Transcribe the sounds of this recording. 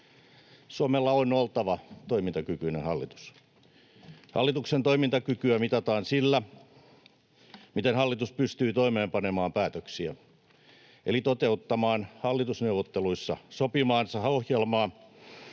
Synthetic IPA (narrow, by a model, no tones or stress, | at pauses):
suomelːɑonolt̪ɑʋɑt̪oimint̪ɑkykyːnehɑlːit̪u̥s | hɑ̰lːit̪uksent̪oimint̪ɑkykyæmit̪ɑt̪ɑːnsilːæ | mit̪enhɑlːit̪uspyst̪yːt̪oimeːmpɑnemɑːmpæːt̪øksiæ̰ | ʔḛlit̪ot̪eut̪ːɑmɑːnhɑlːit̪usneuʋot̪ːeluisːɑsopimɑːnsɑohjelmɑː